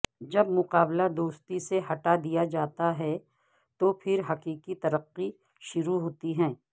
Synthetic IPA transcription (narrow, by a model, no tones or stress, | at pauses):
d͡ʒɐbmʊqaːblad̪oːst̪iseɦɐʈad̪ijad͡ʒaːt̪aɦɛ | t̪opʰɪɾɦɐqiːqit̪ɐɾəqːi | ʃʊɾuɦoːt̪iɦɛ̃ː